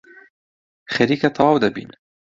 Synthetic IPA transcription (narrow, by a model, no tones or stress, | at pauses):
xaɾikat̪ʰɑwd̪abḭn